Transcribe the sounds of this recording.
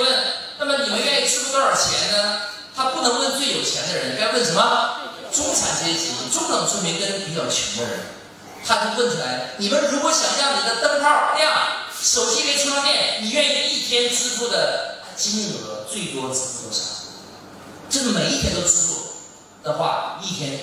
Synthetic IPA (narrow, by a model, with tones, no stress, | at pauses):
mə˥˩nna˥˩mə˨˩ni˨˩mə˧˦nɥɛ˥˩i˧˩t͡sʰɻ̩˥fu˥˧kə˞˧˥t͡ɕʰjɛ˧˥nnə˧ | t̪ʰa˥pu˥˩nɤ˧˥ŋwə˥˧nt͡swe˥˩ɪjo˨˩ʊt͡ɕʰjɛ̰˧˥nd̪ə˧ɻə˧˥ni˧˥ŋka˥˧wə˥˩nʂə˧˥nmə˧ | ʈ͡ʂʊ˥ŋʈ͡ʂʰa̰˨˧˥nt͡ɕi˧˥˩ɛ˥t͡ɕi˧˩mə̰˧˩ŋʈ͡ʂʊ˥ŋʈ͡ʂɑ˨˩ŋt͡sʰu˥nmi˧˥nkə˥npi˧˥t͡ɕjɑ˨˩ʊt͡ɕʰɥɛ̰˧˥nmɔ̰˥ɻə̰˧˦n | t̪ʰa˥t̪o˥ʊwə˥˩nt͡sʰwla˧˥ɪni˨˩mə˧˦nɻu˧˥kwɔ˧˥ɕjɑ˨˩ŋɕjɑ˥˩ʊni˨˩d̪ə˦t̪ə˥˧ŋpʰɑ˥˩ʊ˧lja˥˩ŋʂo˨˩ʊt͡ɕi˥ke˥ɪt͡ɕʰmwa˥ŋnjɛ˥˩nni˨˩ɥɛ˥˧i˧˥i˥˩t̪ʰjɛ˥nt͡sɹ̩˥fu˥˩d̪ə˨˧˩ | t͡ɕi˥n˥˩xɤ˧˥t͡swe˥˩ɪt̪wɔ˥t͡sɹ̩ʰ˧˥˩ɔ˥˩ʈ͡ʂʰḁ̰˨˩˦ŋ | ʈ͡ʂɤ˥˧˩ʂ̩˩me˨˩ɪi˥˩t̪ʰjɛ˥nt̪o˥ʊt͡sʰɻ̩˥fu˥˩ | d̪ə˨xwa̰˥˩i˥˩t̪ʰjɛ˥n